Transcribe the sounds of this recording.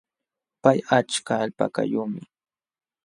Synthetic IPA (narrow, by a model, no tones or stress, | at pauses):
pajat͡ʃkaːʎpa̰ka̰jumɪ